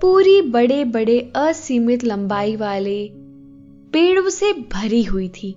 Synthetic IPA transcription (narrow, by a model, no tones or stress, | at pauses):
puːɾibɐɽebɐɽeɐsiːmɪt̪lɐ̃mbaːiʋaːle | peːɽõsebʱɐɾiɦʊit̪ʰiː